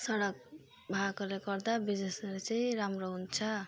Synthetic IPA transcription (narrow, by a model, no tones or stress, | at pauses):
sʌɽʌk̚ | bʱakʌlekʌrd̪abid͡zesʌlet͡saĩɾamroɦunt͡sʰʌ